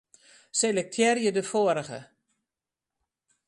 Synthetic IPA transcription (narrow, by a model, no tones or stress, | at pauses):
selək̚tʰjɛrjədəfoəɾəɣə̰